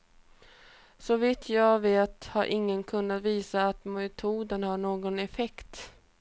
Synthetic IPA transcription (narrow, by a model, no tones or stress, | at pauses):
sɔvɪt̪ʰjɑːveːt̪haɾʔɪŋːənkʰɵnːat̪viːsaːt̪mɛt̪ʰuːd̪ənhaɳoːɡɔnɛfɛkt̪